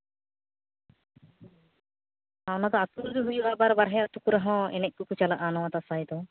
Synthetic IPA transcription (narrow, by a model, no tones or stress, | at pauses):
awnad̪ɔasuɾuɾiɦujubaʔbaɾbaɾɦɛjaʔt̪ukuɾaɦɔ̃ɛ̰nɛʔ̚kukut͡ʃalaʔanɔwat̪asajd̪ɔ